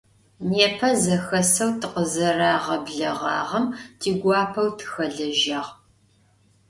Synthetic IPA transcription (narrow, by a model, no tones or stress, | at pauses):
neːpʰɐzɐxɐsɐwtʰɨqəzɐɾaːʁɐbɮɐʁɑ̰ːʁɐmtʰiːɡʷɑːpʰɐwtʰɨ̥xɐɮɐʒɐʁ